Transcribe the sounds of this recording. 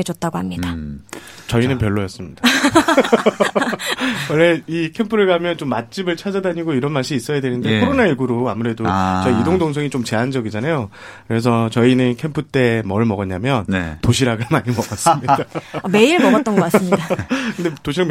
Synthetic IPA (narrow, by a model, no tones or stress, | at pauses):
ed͡ʑʌt̚t͈aɡoɦhamɲida | t͡ɕʌinɯnpjʌɭːojʌs͈ɯmɲid̥a | ʌɭːeikʰe̞mpʰɯɾɯɭɡamjʌnt͡ɕomːat̚t͡ɕ͈ibɯɭt͡ɕʰad͡ʑadaɲiɡoiɾʌnmaɭɕ͈iis͈ʌjadwe̞nɯnde̞ekʰoɾonaiɭɡuɾoamuɾe̞dot͡ɕʌiidoŋdoŋs̬ʰʌŋit͡ɕomt͡ɕe̞ɦand͡ʑʌɡid͡ʑanajo | kɯɾe̞s̬ʰʌt͡ɕʌinɯnkʰe̞mpʰɯt͈e̞mʌɭmʌɡʌɲamjʌntoɕʰiɾaɡɯɭɭmaɲimʌɡʌs͈mɲidame̞iɾmʌɡʌt͈ʌnɡʌk͈asɯmɲidakɯndetoɕʰiɾam